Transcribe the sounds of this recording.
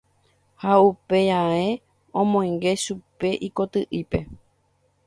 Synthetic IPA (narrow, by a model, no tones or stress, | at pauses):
haupe̞ae̞ | õmõj̃ŋɡe̞ʃupe̞ʔiko̞t̪ɨʔipe̞